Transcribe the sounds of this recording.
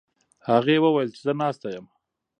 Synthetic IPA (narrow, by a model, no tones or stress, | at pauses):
haɣewəwajəlt͡ʃezənɑst̪ajəm